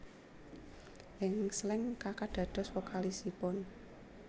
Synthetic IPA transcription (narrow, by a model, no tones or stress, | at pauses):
ʔɪŋslɪŋkakaɖ̪̥ä̤d̪̥ɔ̤swokalisipʊn